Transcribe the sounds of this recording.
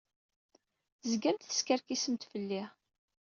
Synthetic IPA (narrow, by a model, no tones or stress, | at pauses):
zɡæmt̪θə̥skəɾkisəmt̪fəlːi